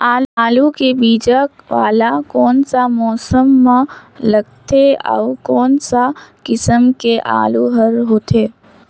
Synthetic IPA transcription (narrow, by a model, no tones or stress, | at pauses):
aːaːlukebiːd͡ʒəkʋa̰ːlakɔːnsamɔːsəmːlɐɡt̪eɔ̰ːkɔːnsakɪsəmkeʔa̰ːluɦəɾɦoːt̪ʰeː